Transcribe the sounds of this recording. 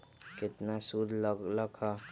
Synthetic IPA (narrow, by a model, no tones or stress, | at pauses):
kɪt̪nasud̪ʱlləkha